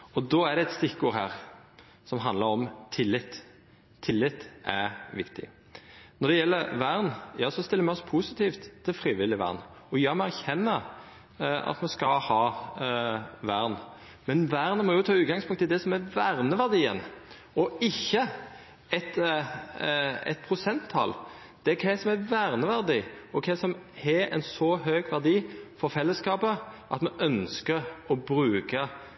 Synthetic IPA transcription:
ɔd̪ɔæd̪ɛɛt̪st̪ɪkːuːɾɦæ̰ːɾ | sɔmɦɑnd̪ləɾɔmt̪ʰɪlːɪt̪ːʰ | ɪlːɪt̪ːʔæɾʋɪkt̪ɪ̰ | nɔd̪ɛjɛlːəɾʋæɾnjɑːsɔst̪ɪlːɾmɛɔspʰusɪt̪ʰiːft̪t̪ʰːɪlfɾiːʋɪlːɪʋæ̰ʁn | ɔjɑːmɛæɾçɛnːə | ɑ̰t̪mɛskɑlhɑː | ʋæɾn | mɛnʋæʁnəmɔjʊt̪ʰɑːʉːt̪ɡɑŋspʊŋt̪ʰːɪld̪ɛsɔmæʋæʁnəʋæʁd̪iːə̰n | ɔɪçːə | ɛt̪ | ɛ̰t̪̚pʰʁʊsɛnt̪ʰːɑ̰l | d̪̥ɛkʰɛɪsɔmæʋæʁnəʋæʁd̪iɔkʰɛsɔmɛɛ̰nsɔɦøːɡʋæʁd̪iːfɔɾfɛlːəskɑːpəʔɑt̪mɛʔœnskəɾɔbɾʉːkə

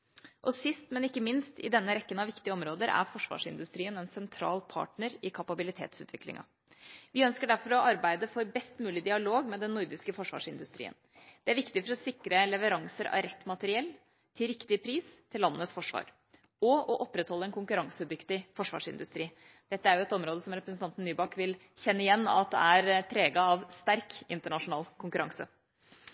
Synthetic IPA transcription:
ʔɔsɪst̪mɛnɪkːəmɪnst̪ɪ̰d̪ɛnːəɾɛkːənɑʋɪkt̪ɪəɔmɾoːd̪əɾæ̰ɾfɔʂʋɑ̰ːʂɪ̰nd̪ʉst̪ɾiːənɛnsɛnt̪ʰɾɑ̰ːlpʰɑ̰ːʈɳəɾɪkʰɑpɑbɪlɪt̪ʰḛːt̪sʉːt̪ʋɪklɪ̰ŋɑ̰ | ʋɪœnskəɖæɾfɔɾɔʔɑɾbæɪd̪əfɔɾbɛst̪mʉːlɪd̪ɪɑloːɡmɛd̪ɛnːʊɾd̪ɪskəfɔʂʋɑ̰ːʂɪnd̪ʉst̪ɾḭːə̰n | d̪̥ɛæɾʋɪkt̪ɪfɔɾɔsɪkɾənlɛʋəɾɑŋsəɾɑ̰ɾɛt̪ːmɑt̪əɾɪɛlː | t̪ʰɪlɾɪkt̪ɪpʰɾiːst̪ʰɪlːɑnːənəsfɔʂʋɑ̰ːɾ | ɔɔʔɔpːɾɛt̪hɔlːəɛnkʊŋkʉɾɑŋsəd̪ʏkt̪ɪfɔʂʋɑ̰ːʂɪ̰nd̪ʉst̪ɾiː | d̪̥ɛt̪ːəæɾjʊɛt̪ɔmɾoːd̪əsɔmɾɛpɾəsn̩t̪ʰɑnt̪n̩ːyːbɑkʋɪl | çɛnːəɪjɛnːɑ̰t̪̚d̪ɛ̰æɾpʰɾeːɡɑɑʋst̪æɾkɪnt̪əɳɑʂʊnɑːlkʰʊŋkʉɾɑ̰ŋsə̰

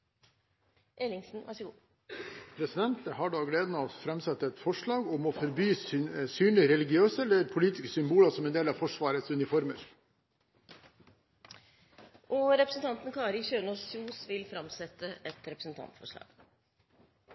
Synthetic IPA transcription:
ʔeːlɪŋsn̩ʋʔæʂəɡuː | pʰɾɛsɪd̪ɛnt̪əhɑːɖoːɡleːd̪ənɑfɾɛmsɛt̪ːəɛt̪fɔʂɭɑːɡɔmoːfɔɾbyːsyːnlɪɾɛlɪɡɪøːsəɛlːəɾpʰʊliːt̪ɪ̥skəsʏmbuːlɑsɔmɛnd̪eːlɑːʋfɔʂʋɑːɾət̪sʉnɪfɔɾməɾ | ʔɔɾɛpɾəsən̩t̪ɑnt̪n̩kʰɑːɾɪçøːnɔsuːsʋɪlfɾɑmsɛt̪ːəʔɛt̪ɾɛpɾəsn̩t̪ʰɑ̰nt̪fɔ̰ʂɭɑ̰ːɡ̥

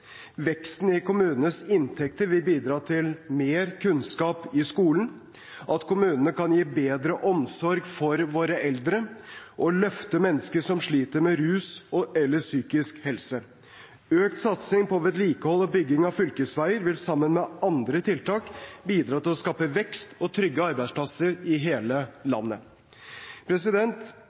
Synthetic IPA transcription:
ʋɛkst̪n̩ɪkʰʊmʉːnənəsɪnt̪ʰɛk̚t̪əɾʋɪlbiːd̪ɾɑːt̪ʰɪlmeːɾkʰʉnskɑːpɪskuːlən̩ | ʔɑt̪kʰʊmʉːnənəkɑnjiːbeːd̪ɾəʔɔmsɔɾɡfɔɾʋoːɾəʔɛld̪ɾəʔɔlœft̪əmɛnːəskəʂɔmʂɭiːt̪əɾmɛɾʉːsɔʔɛlːəsyːkɪskhɛlsə | øːk̚t̪sɑt̪sɪŋpɔʋɛt̪liːkəhɔlːɔbʏɡɪŋɑʋfʏlkəsʋæɪəɾʋɪlsɑmːənmɛʔɑnd̪ɾət̪ʰɪlt̪ʰɑːkbiːd̪ɾɑːt̪ɪlɔskɑːpəʋɛkst̪ɔt̪ʰɾʏɡːəɑɾbæɪspʰlɑsəɾɪɦeːləlɑ̰nːə | pʰɾɛsɪd̪ɛnt̪

